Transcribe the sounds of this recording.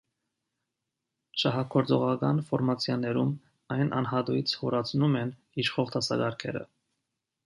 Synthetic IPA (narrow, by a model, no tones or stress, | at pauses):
ʃɑɦɑkʰɔɾt͡sɔʁɑkɑnfɔɾmɑt͡sʰjɑnɛɾum | ɑjnʔɑ̰nɦɑt̪ujit͡sʰhɔɾɑt͡sʰnumɛn | iʃχɔʁt̪ʰɑsɑ̰ɡɑɾkʰɛ̰ɾə̰